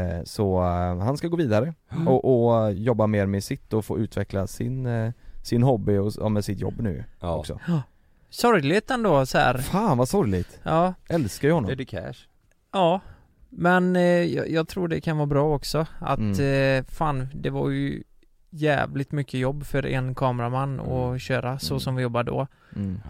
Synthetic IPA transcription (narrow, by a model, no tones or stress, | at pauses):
sɔhanskaɡoːviːd̪aɾəɔʔɔjɔbːameːɾmɛsɪt̪ːɔfo̰ːʉ̟ːt̪vɛklasɪnsɪnɦɔbːɪɔɑ̰mɛsɪt̪jɔ̰bːnʉ̟̰ːɔ̰ksɔ̰ | sɔɾjlɪt̪ɛnd̪oːsɔæ̰ːɾfaːnvasɔɾjlɪɡt̪ʔɑːɛlskaɾhɔnːɔdɛkʰɛ̰ʂ | ɑː | mɛnjɑ̰jɑːɡ̚t̪ʰɾuːɖɛkʰanvɑːɾbɾɑːɔksɔa̰t̪faːnd̪ɛva̰ɾjɵ̰ | jæ̰ːvlɪt̪mʏkːəjɔbːfœɾʔɛ̰nkʰɑːmɛɾamanːɔ̰ɕøːɾasɔsɔmvɪjɔbːaɖɔ̰